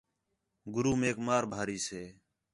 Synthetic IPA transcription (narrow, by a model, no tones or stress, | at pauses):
ɡʊɾuːmeːkmaːɾbʱaːɾiːseː